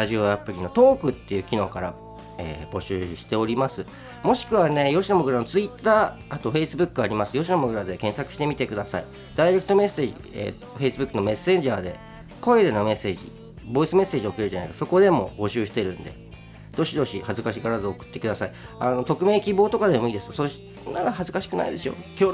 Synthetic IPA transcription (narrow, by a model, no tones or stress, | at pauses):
ɾaʑio̞apɯ̟ɾʲino̞t̪o̞ːkɯ̟t̪ːe̞jɯ̟ːkʲino̞ːkaɾa̰ | ḛːb̥o̞ɕɨːɕi̥t̪e̞oɾʲimasɨ | mo̞ɕi̥kɯ̟βane̞jo̞ɕinamoɡɯ̟ɾano̞t͡sɨit̪ːaː | at̪o̞ɸe̞isɨbɯ̟kːɯaɾʲimasɨjo̞ɕinamoɡɯ̟ɾad̪e̞kẽ̞ɰ̃sakɯ̟ɕi̥t̪e̞mʲit̪e̞kɯ̟d̪asa̰i | d̪̥aiɾe̞kɯ̟̥t̪o̞me̞seːʑḭḛ | ɸe̞isɨbɯ̟kːɯ̟nome̞sẽ̞ɲd͡ʑaːd̪e̞̰ | ko̞ed̪e̞nome̞se̞ːʑḭ | bo̞isɨme̞sːe̞ːʑio̞kɯeɾɯ̟d͡ʑana̰ḭkaso̞ko̞d̪e̞mo̞̰bo̞ɕɨːɕi̥t̪e̞ɾɯ̟̃nd̪e̞̰ | d̪̥o̞ɕid̪o̞ɕihazɨkaɕiɡaɾazɨo̞kɯ̟̥t̪ːe̞kɯ̟d̪asai | ano̞t̪o̞kɯ̟me̞ːkʲibo̞ːt̪o̞kad̪e̞mo̞iːd̪e̞sɨ̥soɕ | nad̪ahazɨkaɕi̥kɯ̟na̰id̪e̞ɕio̞̰kʲoː